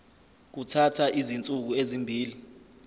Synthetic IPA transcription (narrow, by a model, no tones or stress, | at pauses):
k̬utʰatʰaʔizint͡sʼuk̬uezimbʱiːli